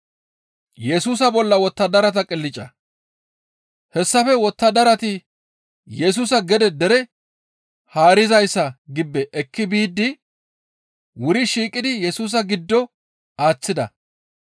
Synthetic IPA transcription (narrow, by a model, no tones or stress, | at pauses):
jɛsuːs̬ɐbɔlːɐwɔt̪ːɐd̪ɐɾɐt̪ɐkʼɪlːɪt͡ʃʼːɐ | hɛsːɐfɛwɔt̪ːɐd̪ɐɾɐt̪ɪ | jɛs̬uːsɐɡɛd̪ɛd̪ɛɾɛ | haːɾɪzɐjsːɐɡɪbːɛʔɛkːɪbiːd̪ːɪ | wʊɾɪʃiːkʼɪd̪ɪjɛsuːs̬ɐɡɪd̪ːɔ | aːt͡sːɪd̪ɐ̰